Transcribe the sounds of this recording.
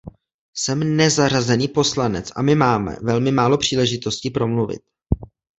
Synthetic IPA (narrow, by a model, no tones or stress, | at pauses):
sɛmnɛzarazɛniːpo̞slanɛt͡sʔa̰mɪmaːmɛ̰vɛlmɪmaːlo̞pr̝̥iːlɛʒɪt̪o̞scɪpɾo̞mluvɪ̰t̪̚